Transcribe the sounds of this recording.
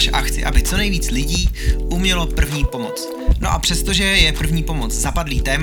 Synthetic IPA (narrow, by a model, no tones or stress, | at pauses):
ʃʔaxt͡sɪ̰ʔabɪt͡so̞nɛjviːt͡slɪɟiːʔumɲɛlo̞pr̩vɲiːpo̞mo̞̰t͡s | no̞ʔapr̝̥ɛst̪o̞ʒɛjɛpr̩vɲiːpo̞mo̞t͡szapadliːt̪ɛːm